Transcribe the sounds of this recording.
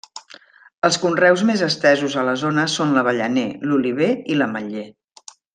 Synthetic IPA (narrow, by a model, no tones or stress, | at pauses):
əlˠskunrɛwzmezəst̪ɛzuzələzonəsonləβəʎəneluliβ̞eiləməʎe